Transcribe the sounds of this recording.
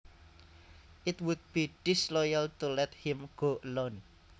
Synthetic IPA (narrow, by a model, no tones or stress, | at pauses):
ʔɪt̪wud̪̚b̥iɖ̥islɔjalt̪ulɛt̪hɪ̃mɡ̥oʔəlɔn